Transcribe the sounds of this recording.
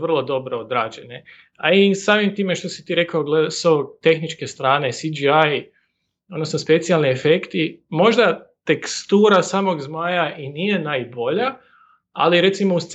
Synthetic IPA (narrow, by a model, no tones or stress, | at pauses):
ʋərlˠo̞d̪o̞bɾood̪ɾaːd͡ʒe̞ne | aisaːmimt̪iːme̞ʃt̪o̞si̥t̪iːɾe̞kaoɡlesoot̪e̞xnit͡ʃke̞st̪ɾaːne̞sid͡ʒiaj | od̪no̞snospe̞t̪sialniefe̞kt̪imo̞ʒd̪at̪e̞kst̪uːɾasaːmo̞ɡzmaːjaʔiniːje̞naːjbo̞ʎa | a̰liɾe̞t̪simo̞ust̪s